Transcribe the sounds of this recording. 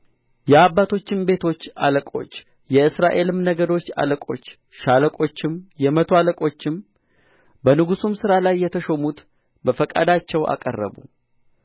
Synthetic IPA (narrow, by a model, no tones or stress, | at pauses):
jɛabːat̪ʰo̞t͡ʃːɪmbe̞t̪ʰo̞t͡ʃːa̰ləkʼo̞̰t͡ʃː | jɛɨsɾaʔe̞lɨmnəɡəd̪o̞t͡ʃːa̰ləkʼo̞̰t͡ʃː | ʃaləkʼo̞t͡ʃːɪmjɛmət̪ʰoaləkʼo̞t͡ʃːɪm | bənɨɡusumsɨɾalajːɛt̪ʰəʃomut̪ | bəfəkʼa̰d̪at͡ʃːɛwa̰kʼərːə̰bṵ